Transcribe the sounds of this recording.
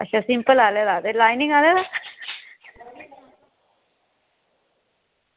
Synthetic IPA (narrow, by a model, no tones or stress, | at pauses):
əɕasimpəlalelat̪elajniŋalela